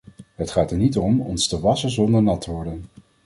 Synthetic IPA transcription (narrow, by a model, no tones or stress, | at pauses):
ɦətχaːtəɹnitɔmɔ̰nstəʋɑsənzɔndəɹnɑtʰəʋɔɹdən